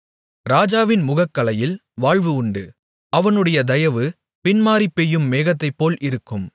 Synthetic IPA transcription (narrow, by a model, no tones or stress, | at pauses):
ɾaːd͡ʒaːʋɪnmʊɣɐkːɐlɐjɪlʋaːɻʋɯʊɳɖɯ̰ | ɐʋɐnɯɽɐjɐd̪ɐjɐʋɯ | pɪnmaːɾipːɛjːɯmːeːɣɐt̪ːɐɪpːoːlʔɪɾɯkːɯm